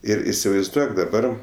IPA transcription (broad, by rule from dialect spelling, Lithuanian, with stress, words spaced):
ˈɪr ɪsʲɪʋɐɪzˈduɔk dɐˈbɐr